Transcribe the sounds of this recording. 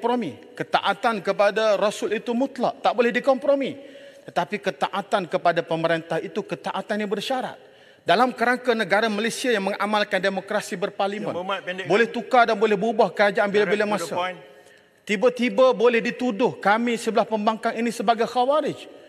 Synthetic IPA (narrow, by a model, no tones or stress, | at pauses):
pɾomikət̪a̰ʔat̪ankəpadaɾosʊlit̪umut̪la̰ʔ̚t̪aʔbolɛhdikɔmpɾomit̪ət̪apikət̪aʔat̪ankəpadapəməɾent̪ahit̪ukət̪aʔat̪anːãbərʃaɾa̰t̪̚ | dalamkəɾaŋkanəɡaɾamalejsiajaŋmə̃ŋamalkandemokɾasibərparlimə̰̃nbolɛht̪ukadanbolɛhbubahkəɾad͡ʒaʔanbilabilamasa | t̪ibat̪ibabolɛhdit̪udʊhkamisəbəlahpəmbaŋkaŋinĩsəbaɡajxawaɾɪd͡ʒ